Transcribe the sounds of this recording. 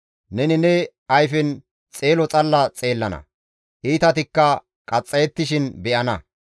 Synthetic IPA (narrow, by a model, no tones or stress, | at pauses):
nɛnɪnɛ | ɐjfɛn | t͡sʼeːlɔt͡sʼɐlːɐt͡sʼe̞ːlːɐnɐ̰ | ʔiːt̪ɐt̪ɪkːɐ | kʼɐt͡sʼːɐjɛt̪ːɪʃɪnbɛʔɐnɐ